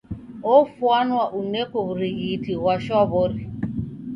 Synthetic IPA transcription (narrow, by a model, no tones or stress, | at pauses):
ofuanʊaʔunekobɾiɣitiɣaʃɔbʊɾɪ